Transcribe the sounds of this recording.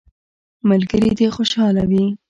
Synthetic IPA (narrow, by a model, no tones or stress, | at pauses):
malɡəɾid̪exoʃɑlawi